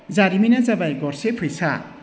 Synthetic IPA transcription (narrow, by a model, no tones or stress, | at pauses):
d͡zaɾiminad͡zabajɡɔrsepʰɯjsʰa